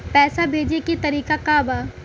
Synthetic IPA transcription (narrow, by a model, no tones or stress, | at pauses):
pɛːsabʱeːd͡ʒeket̪ɐɾiːkakaːbaː